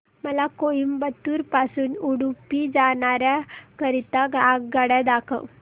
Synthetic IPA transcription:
məlakoimbət̪uːɾpasuːnuɽupid͡zaɳ̃aɾjakəɾit̪aɡaɡɡəɽad̪akʰə̰w

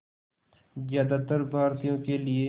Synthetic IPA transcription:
zjaːd̪at̪əɾbʱaːɾt̪ijõkelɪe

